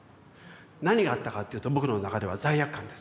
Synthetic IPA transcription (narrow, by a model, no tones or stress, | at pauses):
naɲ̟iɡaːt̪ːakat̪ːe̞jiɯ̟ːt̪o̞bo̞kɯɾannakad̪e̞βazaijakkːãnd̪e̞s